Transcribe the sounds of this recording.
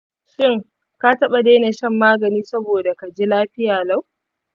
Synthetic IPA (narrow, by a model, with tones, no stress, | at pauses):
ʃɪ˦˨ŋ | ka˦tɐ˦ɓa˨deː˦neː˨ʃɐ˦mːaː˦ɡɐ˨niː˦sɐ˦boː˨da˨ka˨d͡ʒi˦laː˦ɸɪ˦jaː˨la˦˨w